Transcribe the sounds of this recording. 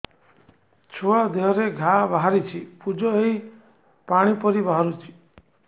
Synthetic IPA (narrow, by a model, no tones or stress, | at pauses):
t͡ʃʰoad̪eɦɔɾeɡʱabaɦaɾit͡ʃʰipud͡ʒɔei | paɽ̃ipɔɾibaɦaɾut͡ʃʰi̥